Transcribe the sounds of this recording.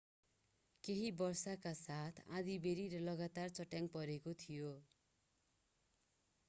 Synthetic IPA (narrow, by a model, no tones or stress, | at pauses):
keɦibʌrsakasat̪ʰã̰d̪ibeɾiɾʌlʌɡat̪art͡sʌʈjaŋpʌɾekot̪ʰijo